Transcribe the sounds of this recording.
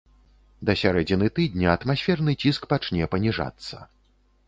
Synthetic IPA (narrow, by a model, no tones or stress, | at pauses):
d̪ɐsʲaɾɛd͡zʲinɨt̪ɨd̪̚ʲnʲɐɐt̪masʲfʲɛrnɨt͡sʲiskpat͡ʂnʲɛpɐnʲiʐa̰t̪sːɐ̰